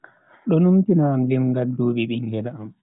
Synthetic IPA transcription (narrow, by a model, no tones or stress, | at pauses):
ɗɔnumtinaːmlimɡaduːɓiɓiŋɡɛdaːm